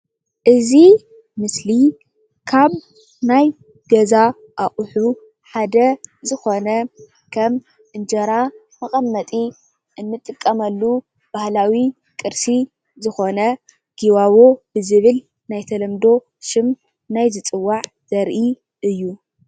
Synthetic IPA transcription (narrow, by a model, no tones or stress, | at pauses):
ʔɨzi | mɨsli | kʰaβ | naj | ɡɐza | ʔaχʼħu | ħad̪ɐzɨxo̞nɐ | kʰɐm | ʔɨnd͡ʒɐɾa | mɐxʼɐmːɐt̪ʼi | ʔɨnːɨt̪ʼːɨkʼːɐmɐlːu | b̥ahlawi | kʼɨɾsi | zɨxo̞nɐ | ɡ̥iwaβobɨzɨβɨl | najt̪ʰɐlɐmd̪o̞ | ʃɪm | najzɨt͡sʼɨwːaʕ | z̥ɐɾʔi | ʔɨjːu